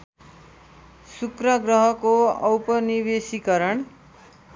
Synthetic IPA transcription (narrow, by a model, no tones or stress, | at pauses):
sukrʌɡrʌɦʌkoʌwpʌnibesikʌɾʌɳ